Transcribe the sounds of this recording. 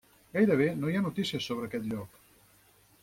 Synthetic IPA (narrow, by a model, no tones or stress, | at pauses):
ɡajɾəβ̞enojanut̪isiəsːoβɾəkɛt̪ʎɔk